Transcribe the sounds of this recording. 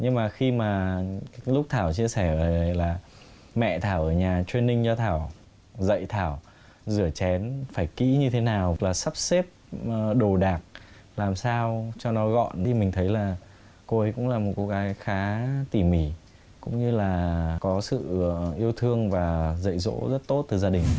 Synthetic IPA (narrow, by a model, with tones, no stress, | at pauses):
ɲɨ˧ŋmaː˨˩xi˧maː˨˩˨ | lʊ˦˥k͡p̚t̪ʰaː˧˩wt͡ɕi˧əsɛ˧˩ə˨˩˨laː˨˩ | mɛ̰˧˨t̪ʰaː˧˩wʔəː˧˩ɲaː˨˩t͡ɕwi˧ənːï˧ŋ̟zɔ˧t̪ʰaː˧˩w | zə̰˧˨jt̪ʰaː˧˩w | zɨ˧˩ət͡ɕɛ˨˦nfaː˧˩jkḭ˧˥ɲɨ˧t̪ʰe˨˦naː˨˩wlaː˨˩sa˦˥p̚se˦˥p̚ːɗo˨˩ɗaː˨˩k̚ | laː˨˩msaː˧wt͡ɕɔ˧nɔ˨˦ɣɔ̰˧˨n˧˨˩mï˨˩ŋ̟t̪ʰə˨˦jlaː˨˩ | ko˧ʔə˨˦jkʊ̰˧˥ŋ͡mlaː˨˩mo˨˩t̚ko˨˦ɣaː˨˦jxaː˨˦t̪i˧˩mi˧˩ | kʊ̰˧˥ŋ͡mɲɨ˧laː˨˩kɔ˨˦sɨ̰˧˨ʔi˧əwt̪ʰɨ˧əŋvaː˨˩zə̰˧˨jzo̰˧˥zə˦˥t̚t̪o˦˥t̚t̪ɨ˨˩zaː˧ɗï˨˩ŋ̟